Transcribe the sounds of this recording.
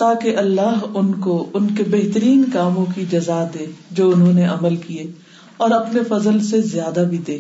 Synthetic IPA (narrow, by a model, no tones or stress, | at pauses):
t̪aːkeʔɐlːaːɦʊnkoʊnkebɛɦt̪əɾiːnkaːmõkid͡ʒɐzad̪eːd͡ʒoːʊnɦõneɐməlkieː | ɔːɾɐpnefɐzəlsezjaːd̪abʱid̪eː